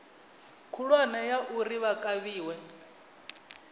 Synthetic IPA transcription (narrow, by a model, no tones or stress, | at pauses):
kʰulwanajaʔuriβakʼaβiːwɛ